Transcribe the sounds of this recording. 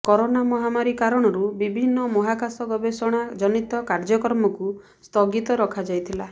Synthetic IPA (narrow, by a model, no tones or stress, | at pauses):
kɔɾonamɔɦamaɾikaɾɔɽ̃ɔɾubibʱinːɔmɔɦakasɔɡɔbesɔɽ̃ad͡ʒɔnit̪ɔkaɾd͡ʒɔkɔɾmɔku | st̪ɔɡit̪ɔɾɔkʰad͡ʒajt̪ʰila